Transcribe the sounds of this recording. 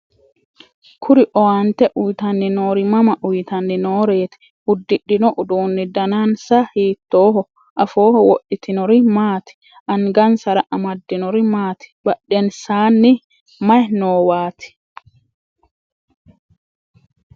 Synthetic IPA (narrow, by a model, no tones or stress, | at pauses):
kʰʊɾɪʔɔwant̪ɛʔʊjt̪ɐnːɪnoːɾɪmɐmɐʔʊjt̪ɐnːɪnoːɾeːt̪ɛ̥ | hʊd̪ːɪɗːɪnɔʔʊduːnːɪd̪ɐnansahiːt̪ːoːɦɔ | ʔɐfoːhɔwɔɗːɪt̪ʰɪnɔɾɪmaːt̪ɪ̥ | ʔɐŋɡɐnsɐɾɐʔɐmɐd̪ːɪnɔɾɪmaːt̪ɪ̥bɐɗːɛnsaːnːɪ | mɐjnoːwaːt̪ɪ̥